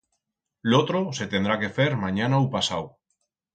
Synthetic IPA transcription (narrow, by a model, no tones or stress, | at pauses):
lot̪ɾose̞t̪end̪ɾake̞feɾmãɲanawpasaw